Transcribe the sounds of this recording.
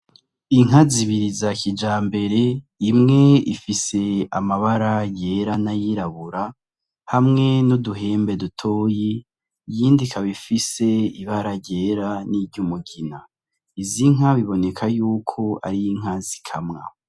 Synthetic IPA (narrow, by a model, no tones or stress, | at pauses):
iŋ̥aziβiɾizakʰid͡ʒaːmbe̞ɾe̞ | imŋe̞ḭfise̞a̰maβaɾaje̞ːɾanajiɾaβuɾa | hamŋe̞nuduɦe̞ːmbe̞dutʰo̞ːji | jiːndikʰaβifise̞iβaɾaɾɟe̞ːɾaniɾɟumuɡina | iziŋaβiβo̞ne̞kʰajuːkʰo̞a̰ɾijiŋ̥azikʰamŋa̰